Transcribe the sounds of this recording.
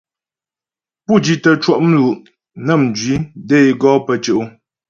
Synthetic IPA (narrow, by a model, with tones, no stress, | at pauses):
pu˦˨d͡ʒi˨tə˨t͡ʃwɔ˦ʔm̩˦lu˨ʔ | nə˦˨m˨d͡ʒɥi˨˦de˦˨jɡɔː˦pə˨t͡ʃə˨ʔu˦